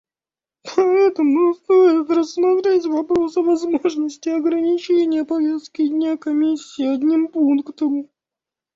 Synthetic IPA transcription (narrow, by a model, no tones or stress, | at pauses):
pɐɛt̪əmʊst̪ojɪt̪rəsːmɐt̪ɾʲetʲvɐpɾo̞səvɐzmo̞ʐnəsʲtʲɪɐɡɾənʲɪt͡ɕenʲɪjəpɐvʲe̞st̪̚kʲɪdʲnʲakɐmʲisʲːɪiɐdʲnʲimpunkt̪əm